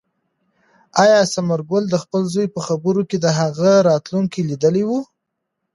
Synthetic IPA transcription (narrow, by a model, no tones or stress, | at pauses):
ajɑsamaɾɡʊld̪əxpəlzojpəxabəɾoked̪əɦaɣaɾɑt̪luŋkilid̪əliwu